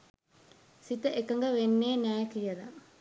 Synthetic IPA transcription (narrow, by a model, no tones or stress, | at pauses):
sit̪əʔekɐŋɡəʋenːeːnæːkijɐd̪ɐ